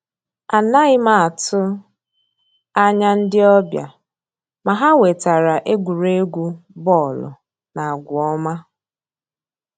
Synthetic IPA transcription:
a˨na˦ɪ˦ma˨a˨tʊ˦ | a˦ɲa˦n̩˦dɪ˦ɔ˦bja̰˨ | ma˨ɦa˦we˨ta˨ɾa˨ʔe˦ɡʷu˨ɾe˦ɡʷu˦bɔ˦˨lʊ̰˨ | na˨a˨ɡʷʊ˨ɔ˦ma˦

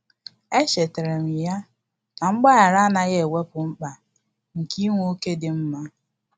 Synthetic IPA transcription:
e˦ʃe˨te˨ɾe˨ŋi˨ja˦ | na˨ŋ͡m̩˦ɡ͡ba˦ɣa˨ɾa˦na˨ɣe˦˨we˦pʊ˨ŋ͡m̩˦k͡pa˨ | ŋ̩˨ki˦ŋʷ˦o˦ke˦dɪ˨m̩˦ma˦

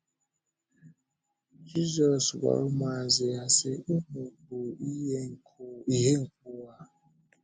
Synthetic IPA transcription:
d͡ʒi˦zɔ˨swa̰˨˦ɾu˦ma˨ze˨a˨se˦ʔu˦mu˨bu˨i˦ŋ˨ | i˦ɦe˦ŋ̩˨k̚u˦a˦

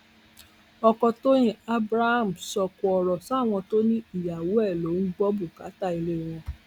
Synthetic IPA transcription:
ɔ˧kɔ˧to˦j̃ĩ˦a˦bɾa˦ha˦˨m̩˨sɔ˧kɔ˧ɔ˧˨ɾɔ˨sa˦˨w̃ɔ̃˧to˦nĩ˦i˦˨ja˨wo˨˦ɛ˦˨lo˨˦n̩˦ɡ͡bɔ˦bu˦˨ka˨˦ta˦˨i˧le˦˨w̃ɔ̃˧

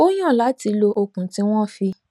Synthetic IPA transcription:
o˦j̃ã˦˨la˨˦ti˧lo˧ʔo˧kũ˨˦tĩ˦w̃ɔ̃˦˨fi˧

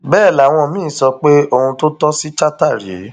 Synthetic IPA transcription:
bɛː˦˨la˨w̃ɔ̃˧˨mĩː˦˨sɔ˧k͡pe˦o˦˧hũ˧to˦tɔ˦si˦t͡ʃa˦ta˦˨ɾi˨ḛ˨˦

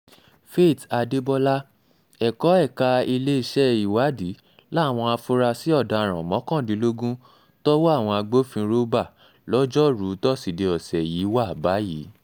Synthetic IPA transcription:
fe˦˨ta˧de˦bɔ˦la˦ | ɛ˨kɔ˨˦ɛ˦˨ka˧i˧le˦i˧ʃɛ˦i˨wa˨˦di˨˦ | la˦˨w̃ɔ̃˧a˧fu˦ɾa˧si˦ɔ˦˨da˧˨ɾ̃ã˨mɔ̃˨˦kɔ̃˦˨dĩ˨˦lo˦ɡũ˦ | tɔ˦wo˦a˦˨w̃ɔ̃˧a˧ɡ͡bo˦fĩ˧ɾo˦ba˦˨ | lɔ˦d͡ʒɔ˦ɾu˨˦tɔ˦˨si˨de˧ɔ˨sɛ˨ji˨˦wa˦˨ba˨˦jiː˨˦

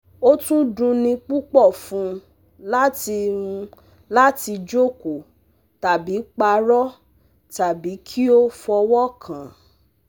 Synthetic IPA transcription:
o˦tũ˦dũ˧nĩ˧k͡pu˦k͡pɔ˦˨fũ˧˦ | la˦ti˧ɾũ˧ | la˦ti˧d͡ʒo˦ko˨ | ta˨bi˨˦k͡pa˧ɾɔ˦ | ta˨bi˨˦kʰi˦o˦fɔ˧wɔ˦kʰã˨

